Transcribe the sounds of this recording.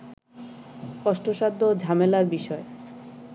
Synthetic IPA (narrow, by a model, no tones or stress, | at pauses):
kɔʃʈoʃad̪ʱːod͡ʑʱamelaɾbiʃɔe